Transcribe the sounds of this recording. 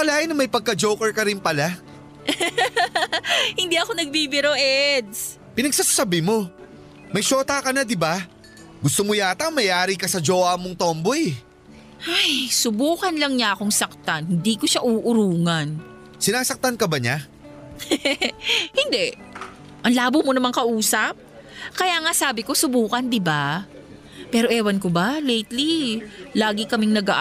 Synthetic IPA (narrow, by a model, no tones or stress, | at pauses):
pɐlaːʔɪnɐmɐjpɐɡ̚kɐd͡ʒowkɛɹkɐɾɪnpɐla | hɪnd̪iɐkonɐɡ̚bibɪɾoʔɛd̪s | pɪnɐɡsaːsasɐbɪmo̞ | mɐjʃoːt̪akɐnad̪ɪba | ɡʊst̪omojaːt̪ɐŋmɐjʔaːɾikɐsɐd͡ʒoːamoŋt̪oːmbojɛ | ʔajsʊbuːkɐnlɐŋɲaʔɐkoŋsɐk̚t̪anhɪnd̪iːkoʃaʔuːʔʊɾuːŋɐn | sɪnaːsɐk̚t̪ankɐbɐɲa | hɪnd̪ɛ | ʔɐŋlaːbomonɐmaŋkɐʔuːsɐp̚ | kɐjaːŋasaːbɪko̞sʊbuːkɐnd̪ɪba | pɛːɾoʔɛːwɐnkobalejt̪lilaːɡɪkɐmɪŋnɐɡaʔ